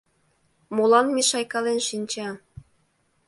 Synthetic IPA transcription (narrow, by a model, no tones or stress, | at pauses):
molɑnmeʃɑjkɑlenʃinʲt͡ɕɑ